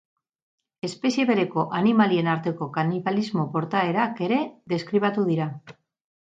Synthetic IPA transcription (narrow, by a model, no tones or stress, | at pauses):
e̞spe̞sie̞βe̞ɾe̞ko̞ʔanimalie̞naɾt̪e̞ko̞kaniβalizmo̞po̞ɾt̪ae̞ɾake̞ɾe̞ðe̞skɾiβat̪uð̞iɾa